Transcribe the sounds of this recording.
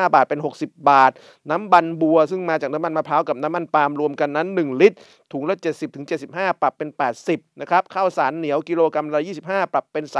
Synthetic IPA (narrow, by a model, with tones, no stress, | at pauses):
baː˨˩t̪̚pe˧nɦo˨˩k̚si˨˩p̚baː˨˩t̪̚ | na˦˥mba˧nbu˧ɐsɯ˥˩ŋmaː˧t͡ɕaː˨˩k̚na˦˥ma˧nmaː˧pʰaː˦˥wka˨˩p̚naː˦˥mːa˧npaː˧mɾu˧əmka˧nːa˦˥nːɯ˨˩ŋli˦˥t̪̚ | t̪ʰːuː˩˦ŋlɛ˦˥t͡ɕe˨˩t̪̚si˨˩p̚t̪ʰɯ˩˦ŋt͡ɕe˨˩t̪̚si˨˩p̚haː˥˩pɾa˨˩pːe˧npɛː˨˩t̪̚si˨˩p̚na˦˥kʰɾa˦˥p̚kʰa˥˩wsaː˩˦nːi˩˦əwki˧loː˧ka˧mɾaː˦˧˥wjiː˥˩si˨˩p̚haː˥˩pɾa˨˩pːe˧nsaː˨˦